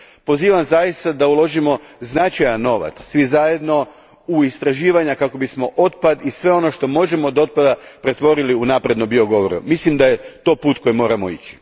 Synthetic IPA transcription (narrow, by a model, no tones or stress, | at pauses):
po̞ziːʋamzajist̪ad̪aulˠo̞ʒimo̞znat͡ʃajanːo̞ʋa̰t̪ssʋizaje̞d̪no̞ | uist̪ɾaʒiːʋaɲakako̞bismo̞ʔot̪̚pad̪isʋe̞o̞no̞ʃt̪o̞mo̞ʒe̞mod̪o̞t̪̚pad̪apɾe̞t̪ʋo̞ɾiliunaːpɾe̞d̪nombioɡo̞ʋoɾṵmislimd̪ajet̪o̞puːt̪̚ko̞jimo̞ːɾamo̞ḭt͡ɕi̥